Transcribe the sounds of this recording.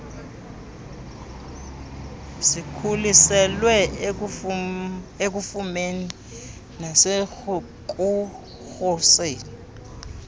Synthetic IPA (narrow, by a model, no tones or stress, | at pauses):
sikʰulisɛlwɛ | ek̬ufumeni | nase | k̬ʼu | xɔseːni